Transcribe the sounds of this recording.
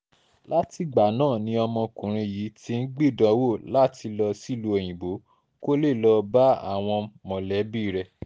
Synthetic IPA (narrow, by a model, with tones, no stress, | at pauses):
la˦ti˧ɡ͡ba˨nãː˦˨nĩ˧˦ɔ˧mɔ̃˧kũ˨ɾ̃ĩ˧ji˨˦ti˧˦˧n̩˦ɡ͡bi˦˨dɔ̃˨˦wo˦˨la˦ti˧lɔ˧si˦˨lu˧e˨j̃ĩ˨bo˨˦ | ko˦le˦˨lɔ˧ba˦a̰˦˨w̃ɔ̃˧mɔ̃˨lɛ˨˦biː˦˨ɾɛ˧